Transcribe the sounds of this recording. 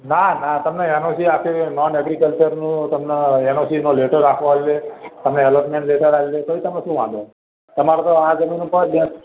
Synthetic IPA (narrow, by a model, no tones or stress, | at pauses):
nanat̪əmneɛnosiakʰenɔnɛɡɾikəlt͡ʃəɾnũt̪əmneɛnosinoleʈəɾakʰʋoallet̪əmneelɔpmẽɳʈleʈəɾakilekəɾit̪əmneʃũʋãd̪õ | t̪əmaɾot̪oad͡ʒəminũpəɾbjã